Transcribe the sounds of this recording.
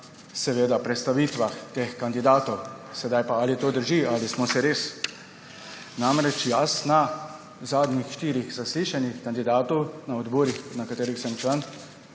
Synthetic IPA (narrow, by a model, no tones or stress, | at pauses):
sɛʋeːd̪apɾɛt̪st̪aʋiːt̪ʋaxt̪eːxkand̪id̪aːt̪ɔw | sɛd̪ajpaalit̪oːd̪əɾʒialismɔsɛɾeːs | namɾɛt͡ʃjasna | zaːd̪nixʃt̪iːɾixzasliʃanixkand̪id̪aːt̪ɔwnaɔd̪bɔːɾixnakat̪eːɾixsɛmt͡ʃlan